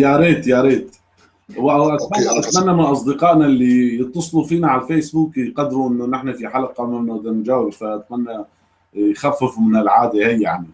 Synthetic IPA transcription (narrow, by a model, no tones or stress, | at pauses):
jaɾeːt̪jaɾeːt̪ | wʔawʔat̪manːaʔat̪manːamaʔɑsˤd̪ɨqɑːʔnalːijɨt̪ˤːɑsˤlufiːnaʕalfeːsbuːkqɑd̪ːɾuʔɪnːʊnɪħnafiħalaqɑmɪmnʔɪd̪amd͡ʒawɪbfaʔat̪manːa | jxafːɪfmɪnɪlʕaːd̪ahajːaʕni